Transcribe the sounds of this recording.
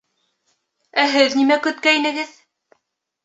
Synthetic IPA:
æɦɘðnimækɵ̆t̪̚kæinɘ̆ɡɘð

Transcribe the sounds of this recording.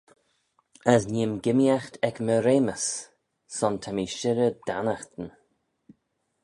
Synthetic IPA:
əsnimɡɪmjaxt̪ʰɛkməɾeːməs | sɔnt̪ʰamiʃɪɾəd̪̥anaxt̪ən

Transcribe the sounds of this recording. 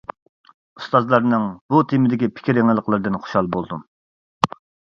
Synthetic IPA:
ust̪ɑzlˠɑɾnɨŋbut̪ʰimɪd̪ɪkʲipʰɪ̥kʲiɾeŋɪlˠəqlˠɨɾd̪ɨnχo̥ʃhɑlˠbolˠd̪um

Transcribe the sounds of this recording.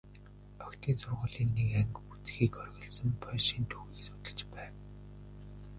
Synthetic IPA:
œkt̪ʰiːnsʊrʁʊːɮiːnːekæŋkut͡sxiːkɔrɣɞ̆ɮsə̆mpʰœʃiːnt̪ʰuɣiːksʊ̥t̪ə̆ɮt͡ɕpæːw

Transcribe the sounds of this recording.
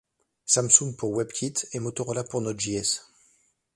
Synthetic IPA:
samsũŋɡpuʁwɛbkʲʰit̪emot̪ɔʁɔlapuʁnɔt̪ʒiɛs

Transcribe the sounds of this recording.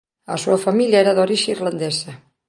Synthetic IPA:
a̰suɐfamiljaeɾaðoɾiʒeirland̪esɐ

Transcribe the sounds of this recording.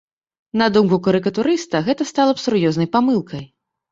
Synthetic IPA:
nɐd̪umkukɐɾɨkɐt̪uɾɨst̪ɐɣɛt̪ɐst̪alˠɐpsurjɔznɐjpamɨlˠkɐj

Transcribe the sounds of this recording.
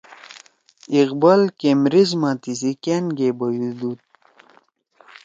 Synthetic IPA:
iqbalkemɾizmat̪isikenɡebɐjud̪ut̪̚

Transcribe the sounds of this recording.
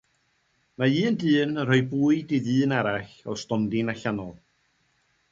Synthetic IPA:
maiːndɨːnərɔɨbuːɨdiðɨːnaɾaɬɔstɔndɪnaɬanɔlˠ

